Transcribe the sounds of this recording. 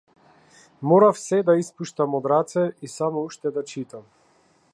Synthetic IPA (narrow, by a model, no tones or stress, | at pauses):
mɔɾafsɛd̪aispuʃt̪amɔd̪ɾat̪sɛisamɔuʃt̪ɛd̪at͡ʃit̪am